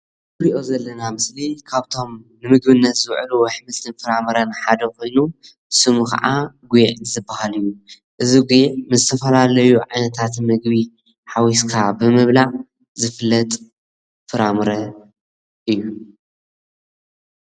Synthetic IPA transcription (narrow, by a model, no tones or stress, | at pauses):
ɾiʔo̞zɐlːɐnamɨslikʰaβt̪ʰo̞mnɨmɨɡ̚βɨnːɐt̪zɨwʕluwɐħmɨsɨnfɨɾamɨɾɐnħad̪ɐko̞jnu | sɨmuka̰ʔaɡujʕzɨbːahalɨjːu | ʔɨziɡujʕmɨzɨt̪ʰɐfɐlalɐjuʕajnɐt̪ʰat̪mɨɡbi | ħawiskʰabɨmɨβla | zɨfɨlːɐt̪ʼ | fɨɾamɨɾɐ | ʔɨjːu